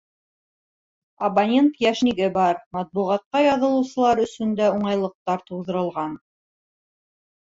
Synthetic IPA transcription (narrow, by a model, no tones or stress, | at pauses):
ɐbɐnʲent̪jæʃniɡɘbɑɾmɑt̪̚buʁɑt̪̚qɑjɑðɤ̆lˠɤ̆wsɤ̆lˠɑɾɵ̆sɵ̆nd̪æuɴɑjlˠɤ̆q̚t̪ɑɾt̪uwðɤ̆ɾɤ̆lˠʁɑn